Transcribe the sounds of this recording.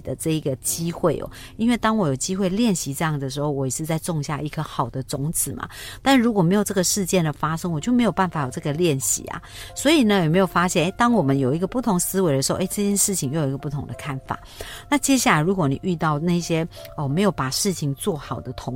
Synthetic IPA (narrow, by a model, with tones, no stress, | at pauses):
d̪ə˦ʈ͡ʂɤ˥˩i˧˥ɡə˧t͡ɕi˥xwe˥˩ɪʔɔ̰˨˩ | i˥nwe˥˩ɪt̪ɑ˥ŋwɔ˧˥jo˨˩ʊt͡ɕi˦˥xwe˥˧ɪljɛ˥˩nɕi˧˥ʈ͡ʂɤ˥˧jɑ˥˩ŋ˨d̪ə˩ʂɻ̩˧˥xo˥˧ʊwɔ˧˥i˨˩ʂɻ̩˥˧t͡sa˥˧ɪt͡sʊ˥˧ŋɕja̰˥˧i˥˩kʰə˧xɑ˨˩ʊd̪ə˦t͡sʊ˧˥ŋt͡s̩ʰ˨˩˦mʔa̰˨t̪a˥˩n˧ɻu˧˥kwɔ˨˩me˧˥ɪjʈ͡ʂɤ˥˩ɡə˩ʂɻ̩˥˧t͡ɕjɛ˥˩nd̪ə˩fa˥ʂɤ˥ŋwɔ˨t͡ɕjo˥˩ʊme˧˥ɪjo˨˩ʊpa˥˩nfa˨˩jo˨˩ʈ͡ʂɤ˥˩ɡə˩ljɛ˥˨nɕḭ˧˥˦a̰˨ | swɔ˧˥i˨˩nə˦jme˧ɪjo˨˩ʊfa˥ɕjɛ˥˩ne˥˩ɪt̪ɑ˥ŋwɔ˨˩mə˦njo˨˩ʊi˧˥ɡə˧pu˥˩t̪ʰʊ˧˥ŋsɹ̩˥we˧˥ɪd̪ə˧ʂɻ̩˧˥xo˥˧e˥˩ɪʈ͡ʂɤ˥˧t͡ɕjɛ˥nʂɻ̩˥˩t͡ɕʰi˨ŋjo˧˩jo˨˩i˧ɡə˨pu˥˩t̪ʰʊ˧˥ŋd̪ə˨˧kʰa˥˩nfa̰˨˩˦na˥˧t͡ɕjɛ˥ɕ̬ja˥˩la˧˥ɪɻu˧˥kwɔ˧˥ni˨˩y˥˧t̪ɑ˥˧ʊna˥˩ɕjɛ˦˥ɔ˨˩me˧˥ɪjo˨˩ʊpa˨˩ʂɻ̩˥˩t͡ɕʰi˨˩ŋt͡swɔ˥˩xɑ˨˩ʊd̪ə˦t̪ʰʊ˧˦ŋ